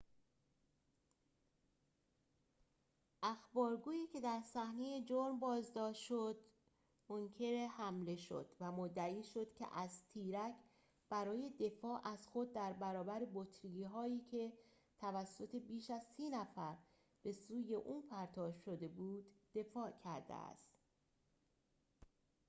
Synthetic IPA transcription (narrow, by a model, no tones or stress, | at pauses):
ʔæxbɒːɾɡuːiːcʰe̞d̪æɾsæhne̞je̞d͡ʒoɾmbɒːzd̪ɒːʃʃod̪̥ | moŋcʰe̞ɾehæmle̞ʃo̞̰d̪̥væmod̪ːæiːʃo̞d̪̥cʰe̞̰ʔæzt̪ʰiːɾæcʰ | b̥æɾɒːje̞d̪e̞fɒːʔæz̥xo̞d̪̚ːæɾbæɾɒːbæɾebot̪ʰɾiiɦɒːiːcʰe̞ | t̪ʰævæsːo̞t̪ʰe̞biːʃæzsiːnæfæɾ | b̥e̞suːje̞ʔuːnpʰæɾt̪ʰɒːʃʃo̞d̪e̞buːd̪̥ːe̞fɒːʔcʰæ̰ɾd̪ḛæ̰st̪